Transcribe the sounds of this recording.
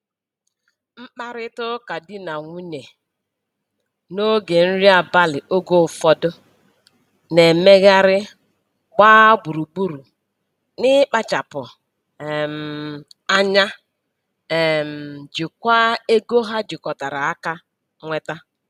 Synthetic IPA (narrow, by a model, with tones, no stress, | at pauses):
m̩˦k͡pa˦ɾɪ˦tʊ˦ka˨dɪ˦na˨ŋʷu˦ɲe˨ | no˦ɡe˨n̩˦ɾi˦a˨ba˦lɪ˨ʔo˦ɡo˦˨fɔ˦dʊ˦ | ne˨me˦ɣa˦ɾɪ˦ | ɡ͡baː˦ɡ͡bu˨ɾu˨ɡ͡bu˦ɾu˨ | nɪ˦k͡pa˦t͡ʃa˨pʊ˨ | m̩˨a˦ɲa˦˨ | m̩˨d͡ʒi˨kʷa˦e˦ɡo˦ɦa˦d͡ʒɪ˨kɔ˨ta˨ɾa˨a˦ka˦ | ŋʷe˦ta˦